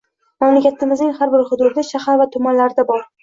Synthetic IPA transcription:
mamlakʲat̪ʰɪmɪznɪŋhaɾbɪɾhʊd̪ʊɾd̪ɪʃahaɾvat̪ʰʊmanlaɾɪd̪abɒɾ

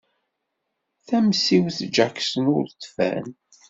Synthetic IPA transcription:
θæmsiwθd͡ʒaksənʊɾt̪ːfæ̰n

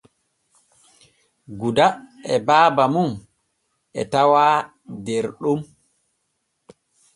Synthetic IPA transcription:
ɡudaɛbaːbamum | ɛ̰tawaː | deɾɗum

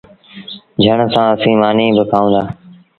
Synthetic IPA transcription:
d͡ʒʱəɳsãːəsĩːmaːniːbəkʰaːũːd̪aː

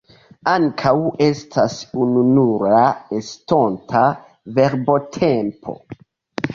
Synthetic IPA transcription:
aŋkʰawe̞stʰasununuɾaesto̞ntʰa | ve̞ɾbo̞tʰempʰo̞̰

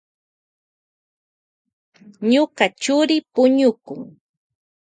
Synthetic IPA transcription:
ɲokɑt͡ʃʊɾɪpʊɲʊkʊŋ

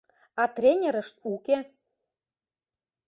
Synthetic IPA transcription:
ɑt̪rʲenʲeɾə̆ʃt̪uke

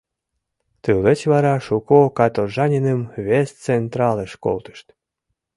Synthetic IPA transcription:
t̪ɨlət͡ɕβɑɾɑʃukokɑt̪oʒɑnʲinəmvʲest͡sent̪rɑləʃko̰lˠt̪ə̥ʃt̪

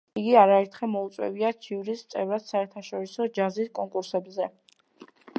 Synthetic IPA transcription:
iɡiaɾaɛɾt̪ʰχɛmɔut̪sʼwɛ̰viat̪t͡ʃʰivɾist̪sʼɛvɾat̪saɛɾt̪ʰaʃɔɾisɔd͡ʒaziskʼɔŋkʼuɾsɛbzɛ

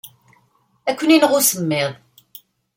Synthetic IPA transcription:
ækʷːəniləʁʊsəmːɪðˤ

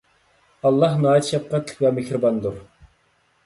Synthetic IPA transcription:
ɑlˠːɑɦnɑːt̪ʰʃɛp̚qɑt̪ʰlɪ̥kʰʲvɛmekɾɨbɑnd̪uɾ

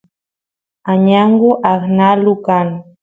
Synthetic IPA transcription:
aɲaɴɢʊʔaχnalʊkan

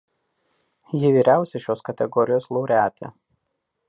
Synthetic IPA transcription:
jɪʋʲiːɾʲæˑʊsʲɛɪʃʲoːskɐt̪ʲɛɡɔɾʲɪjoːslˠɔʊɾʲæːt̪ʲḛː

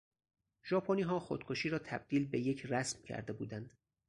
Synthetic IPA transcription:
ʒ̥ɒːpʰoniːɦɒːxo̰d̪̥̚kʰoʃiːɾɒːt̪ʰæb̚d̪̥iːlbeje̞cʰræsmcʰæ̰ɾd̪e̞bṵːd̪ænd̪̥

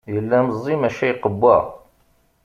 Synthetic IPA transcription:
jəlːæməzˤːimæʃæjqəbːæ

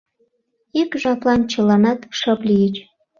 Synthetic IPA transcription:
ikʒɑplɑnt͡ɕə̆lɑnɑt̪ʃəplʲijət͡ɕ

